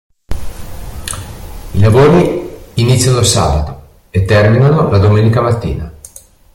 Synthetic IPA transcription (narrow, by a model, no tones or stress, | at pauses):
ilavoːɾiːnit̪sjanosa̰ːbat̪o | et̪ːɛrminanolad̪omeːnikamat̪ːḭːna̰